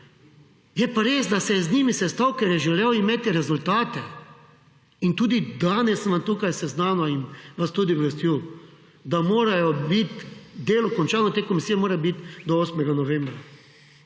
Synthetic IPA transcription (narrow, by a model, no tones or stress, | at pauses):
jɛpaɾeːzd̪asɛjɛznʲiːmisɛst̪awkɛɾjɛʒɛleːwimeːt̪iɾɛzult̪aːt̪ɛ | int̪uːd̪id̪aːnɛsʋamt̪uːkajsɛznaːnɔinʋast̪uːd̪iwɾɛst̪juː | d̪amoːɾajɔbit̪d̪eːlɔkɔnt͡ʃaːnɔt̪eːkɔmisiːjɛmoːɾajbit̪d̪ɔoːsmɛɡanɔʋẽmbɾa